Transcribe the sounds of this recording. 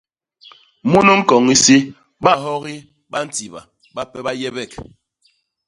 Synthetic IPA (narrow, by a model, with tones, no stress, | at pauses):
mu˦no˦ŋ̩˦kɔ˨ŋi˦si˦ | ba˦ɦɔ˦ɣi˦ | ba˦n̩˦ti˨ba̰˨ | ba˦pɛ˦ba˦jɛ˦bɛ˦˨k